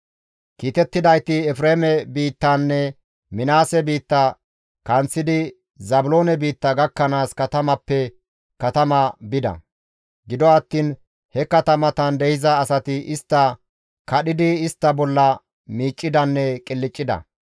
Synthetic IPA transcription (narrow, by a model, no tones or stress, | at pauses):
kiːt̪ɛt̪ːɪd̪ɐjt̪ɪɛfɾeːmɛbiːt̪ːɐnːɛ | mɪnaːsɛbiːt̪ːɐ | kɐnt͡sːɪd̪ɪ | zɐbʊlo̞ːnɛbiːt̪ːɐɡɐkːɐnaːskɐt̪ɐmɐpːɛ | kɐt̪ɐmɐbɪd̪ɐ̰ | ɡɪd̪ɔɐt̪ːiːn | hɛkɐt̪ɐmɐt̪ɐnd̪ɛhɪzɐːsɐt̪ɪʔɪst̪ːɐ | kɐɗɪd̪ɪɪst̪ːɐbɔlːɐ | miːt͡ʃʼːɪd̪ɐnːɛkʼɪlːɪt͡ʃʼːɪd̪ɐ̰